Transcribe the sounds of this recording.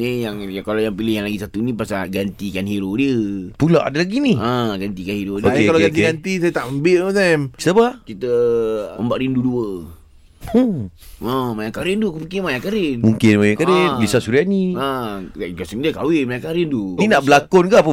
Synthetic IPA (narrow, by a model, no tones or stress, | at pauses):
nijaŋjakalojaŋpilɪhjaŋlaɡisat̪unipasaɡant̪ikanhiɾodiəpulaʔa̰dalaɡiniə̃ɡant̪ikanhiɾodokekaloɡant̪ɡant̪is̬ajat̪aʔəmbɪʔət̪amki̥t̪apakit̪əəmbaʔɾinduduə | əmajaŋkaɾɪnd̪ukəpikimajaŋkaɾɪnmuŋkɪnmajaŋkaɾɪlisasuɾianiəɡasəŋdiəkawɪmajaŋkaɾɪnt̪uninaʔbəlakʊnkaʔp̬ə